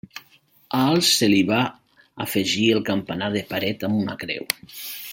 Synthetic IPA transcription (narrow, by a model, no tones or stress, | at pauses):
aalˠsːeliβa̰ː | feʒielˠkampanaðepaɾɛt̪amuna̰kɾɛ̰w